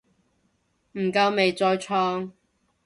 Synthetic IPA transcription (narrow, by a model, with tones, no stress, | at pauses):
m̩˨˩kɐ˧wme˨jt͡sɔː˧jt͡ʃʰɔː˧˥ŋ